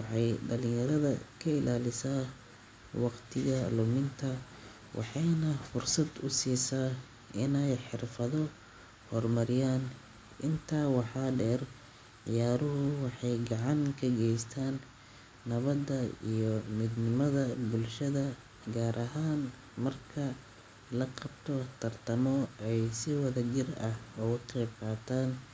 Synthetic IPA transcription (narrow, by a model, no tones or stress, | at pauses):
wɑħɑjɖɐlɪ̃jɐɾɐðɐ̰kʰɐɪlʔaːlɪsaː | wɑqt̪ʰɪɣɐlʊmɪnt̪ʰɐ | wʔɑ̰ħɑjnɐfʊrsɐd̪ʊsiːsaː | ɪnɛjħɪrfɐðɔ | hɔrmɐɾɪjaːn | ʔɪnt̪ʰaːwɑħɑːɖɛːr | ʕɪjaːɾʊɦʊwɑħɑjɡɑʕɑŋkʰɐɡɛjst̪ʰaːnː | ɐβɐd̪ɐḭjɔmɪd̪nɪmɐðɐbʊlʃɐðɐ | ɡaːɾʔɐɦaːn | mɐrkʰɐ | lɐqɑbt̪ʰɔt̪ʰɐrt̪ʰɐmɔɛjsɪwɐðɐd͡ʒɪrɐhɔːʊqɛːb̚qɑːt̪ʰaːn